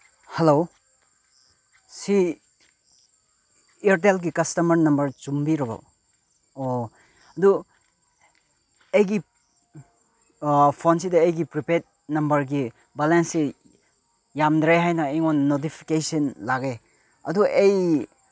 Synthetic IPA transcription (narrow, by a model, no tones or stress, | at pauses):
helo | si | eɾt̬elɡikɐstɐmɐɾnɐmbɐɾt͡ʃumbiɾɐbɐ̰ | o | ɐdu | ejɡi | pʰonsidɐejɡipɾipet̚nɐmbɐɾɡi | balense | jamdɾeɦajnɐejŋonnot̬ipʰi̥kesinlaɡe | ɐ̰duʔej